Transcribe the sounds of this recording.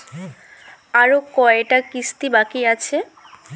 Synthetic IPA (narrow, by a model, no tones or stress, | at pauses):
aɾokɔeʈakist̪ibakiat͡ɕʰe